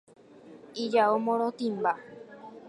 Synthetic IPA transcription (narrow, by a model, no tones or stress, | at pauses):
id͡ʒaomõɾ̃ot̪ĩmba